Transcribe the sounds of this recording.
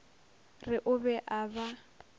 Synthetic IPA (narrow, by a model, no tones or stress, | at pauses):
rɪʔʊbɛʔaːba